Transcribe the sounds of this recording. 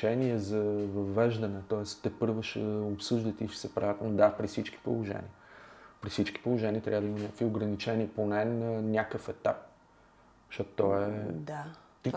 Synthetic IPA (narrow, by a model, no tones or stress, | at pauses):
ɛniɛzɐvəvɛʒd̪ənɛt̪ɔɛst̪t̪ːɛpɤɾvəʃɛopsɨʒd̪ət̪iʃsɛpɾa̰vʲat̪ɛlnod̪apɾifsit͡ʃki̥po̰lˠoʒɛ̰nḭəpɾisit͡ʃki̥polˠoʒɛniət̪ɾʲavəd̪əimənʲakəkvioɡɾənit͡ʃɛniponɛnənʲakəfɛt̪ap̚ | ʃɔt̪ʊt̪ɔɛd̪a | t̪i